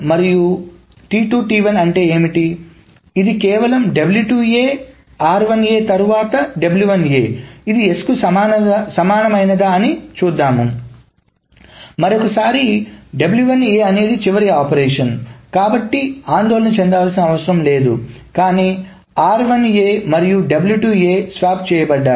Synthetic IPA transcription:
mɐɾiju | ʈiːʈuːʈiːʋɐnɐɳʈe̞ːeːmiʈiː | d̪ikɛːʋɐlɐmɖɐbljuːʈueː | aːɾʋɐne̞ːt̪ɐɾuʋaːt̪ɐɖebljuʋɐneːid̪ieskuasɐmaːnɐmɐjnɐd̪aːɐnit͡ʃuːd̪ːaːmu | mɐɾokɐsaːɾiɖebljuʋɐneːɐne̞ːd̪it͡ʃiʋɐɾiaːpɐɾɛːʂɐnkaːbɐʈːiaːnd̪oɔːlɐnut͡ʃɛnd̪aʋaːlsinɐʋɐsɐɾɐmle̞ːd̪ṵkaːniː | aːɾʋɐneːmɐɾijuɖɐbljuːʈuːeːsʋaːpt͡ʃɛːjɐbɐɖːaːɾ

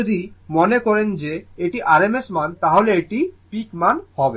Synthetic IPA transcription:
od̪imonekɔɾend͡ʑeeʈiʔaɾemesmant̪aɦoleeʈipikmanhɔbe

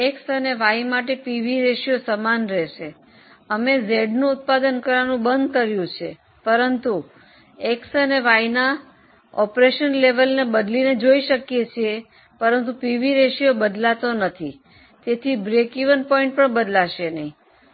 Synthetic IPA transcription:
eksəneʋaimaʈ̬epiʋiɾeʃijosəmanɾeʃe | əmezeɖnũʊt̪̚pad̪ənkəɾʋanũbənd̪̚kəɾjũt͡ʃʰe | pəɾənt̪u | eksəneʋaina | ɔpɾeʃənleʋəlnebəd̪lined͡ʒoiʃəkjet͡ʃʰie | pəɾənt̪̬upiʋiɾeʃiobəd̪lat̪onət̪ʰi | t̪et̪ʰibɾekiʋənpɔiɳʈ̚pəɳbəd̪laʃenəɦĩ

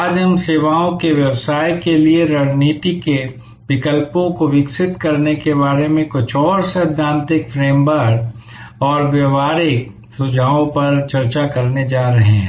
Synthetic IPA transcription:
aːd̪ʱəmseːʋaːõkeʋjɐwsaːjkelieɾɐɽniːt̪ike | ʋɪkəlpõkoʋɪksɪt̪kɐɾnekebaːɾemẽkʊt͡ʃʰɔːɾsɐd̪ʱːãːnt̪ɪkfɾeːmbəɾk | ɔːɾʋjɐʋaːɾɪk | sʊd͡ʒʱaːõpɐɾt͡ʃɐɾt͡ʃakɐɾned͡ʒaːɾɐɦeɦɛ̰̃

